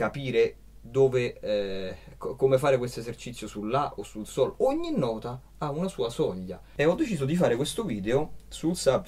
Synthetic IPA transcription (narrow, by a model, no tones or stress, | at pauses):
kapiːɾe | d̪oːveɛkkomefaːɾekwest̪oezert͡ʃit̪sːjosulːaʔosːulsɔːloɲːinːɔːt̪a | aunasuːasɔʎːa̰ | eɔd̪ːet͡ʃiːzod̪ifaːɾekwest̪oviːd̪eosulsab